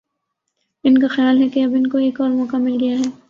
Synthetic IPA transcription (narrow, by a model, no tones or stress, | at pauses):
ɪnkaxɪjaːlɦɛkeɐbɪnkoeːkɔːɾmɔːkamɪlɡɐjaɦɛː